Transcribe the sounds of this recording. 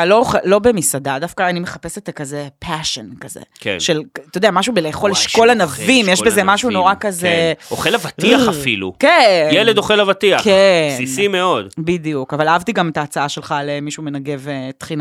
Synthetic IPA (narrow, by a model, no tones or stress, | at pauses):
lo̞χelo̞bemisad̪ad̪afkaːnimeχape̞set̪kazepʰaʃenkazḛkʃelt̪ood̪eamaʃubeleχoliʃko̞lanavimjeʃbezemaʃuno̞ʁakazeoχelavatiafilṵkejeled̪oχelavat̪iakesnisimeo̞d̪bid̪ijukavalaavt̪iɡamet̪aːt͡saaʃe̞lχalemiʃumenaɡe̞vet̪χina